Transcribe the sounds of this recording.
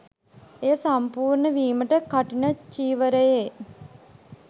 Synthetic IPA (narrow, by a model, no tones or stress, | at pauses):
ejəsampuːrɳəʋiːməʈəkaʈinət͡ʃiːʋəɾəje